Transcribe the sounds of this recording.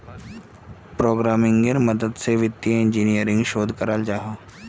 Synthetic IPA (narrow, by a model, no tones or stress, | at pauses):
pɾoːɡɾaːmɪ̃ŋɡəɾmɐd̪əd̪seʋɪt̪ːjəɪ̃nd͡ʒiːnijəɾɪ̃ŋɡʃoːd̪ʱkəɾəld͡ʒaːɦaː